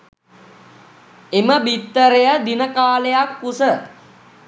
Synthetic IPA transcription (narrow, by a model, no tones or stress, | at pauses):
eməbit̪ːəɾejəd̪inəkaːlejakːusə